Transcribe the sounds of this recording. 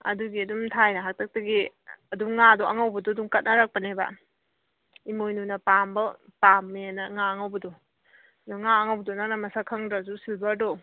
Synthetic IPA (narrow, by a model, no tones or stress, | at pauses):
ɐ̰duɡiɐdumtʰajnɐɦak̚tʰɐk̚tɐɡi | ɐduŋːadoʔɐŋawbɐdɔduŋkɐt̚nɐɾak̚pɐneba̰ | imojnunɐpambɐpamːeanɐŋaɐŋawbɐdɔ | dɔŋaɐŋawbɐdɔnak̚namɐsakʰaŋdasusilbado